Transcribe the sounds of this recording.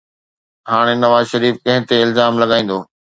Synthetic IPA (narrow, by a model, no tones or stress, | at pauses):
ɦaːɽ̃enɐʋaːzʃɐɾiːfkɐ̃ɦɪ̃t̪eɪlzaːmlɐɡaːĩːn̆d̪oː